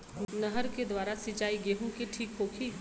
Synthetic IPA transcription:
nɐɦəɾked̪waːɾasɪt͡ʃaːiɡeːɦũkeʈʰiːkɦoːkʰi

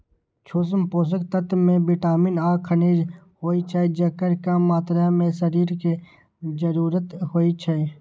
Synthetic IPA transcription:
t͡ʃʰoːs̬mpoːs̬əkt̪ət̪mẽbɪʈaːminaːkʰəneːd͡ʒ | hoːit͡ʃʰaed͡ʒəkəɾkamaːt̪ɾamẽsəɾiːɾke | d͡ʒəɾuːɾət̪hoːit͡ʃʰəe

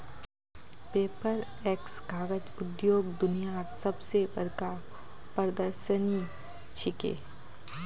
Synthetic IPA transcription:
peːpəɾeːksɡʱaːɾət̪ʊd̪joːɡ̚d̪ʊnijaɾsɐbseʔəɾkaːpəɾd̪əɾʃənit͡ʃʰɪkḛː

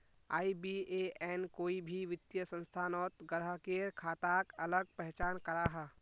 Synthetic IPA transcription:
a̰ːibieɛːnkoːibʱiʋɪt̪jəsə̃nst̪ʰaːnɔːt̪ɡəɾɦakeːɾkʰaːt̪aːɡɐləɡ̚pɛɦt͡ʃaːnkɐɾaːɦɛː

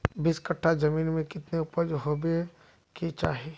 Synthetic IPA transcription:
bɪskəʈʰːad͡ʒɐmiːnmẽkɪt̪neʊpəd͡ʒɦoːbe | kit͡ʃa̰ːɦieː

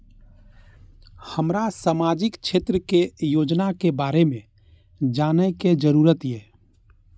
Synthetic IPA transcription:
həmɾasaːmaːd͡ʒɪkt͡ʃʰeːt̪ɾəkejoːd͡ʒnakebaːɾemẽ | d͡ʒaːneked͡ʒəɾuːɾət̪jɛː

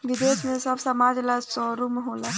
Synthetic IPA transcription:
ʋɪd̪eːsmẽsəbsəmaːd͡ʒləd͡ʒsɔɾumɦola

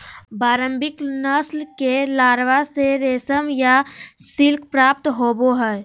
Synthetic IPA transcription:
baːɾə̃mbɪknəslkelaːɾʋaseɾeːsəmjasɪlkʰpɾaːp̚t̪ɦoːboɦɛɛ

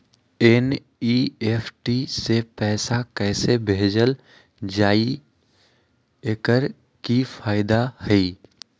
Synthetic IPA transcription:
en | ieːpʰʈisepɛːsakɛːsebʱeːd͡ʒəl | d͡ʒaːi | ekəɾ | kifaːɪd̪ahɛi

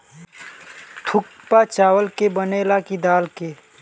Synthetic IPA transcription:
t̪ʰʊk̚ | pat͡ʃaːwəlkebəneːlakid̪aːlke

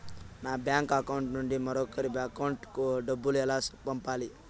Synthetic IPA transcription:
naːbjaːŋkɐkawɳʈnuɳɖimɐɾokːəɾibɐkɐwɳʈkuɖɐbːulɛlaspɐmpaːli

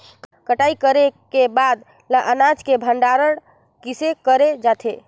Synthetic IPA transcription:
t̪kəʈaikəɾekebad̪ | laʔənad͡ʒkebʱəɳɖaɾəɽ | kisekəɾed͡ʒat̪ʰḛ

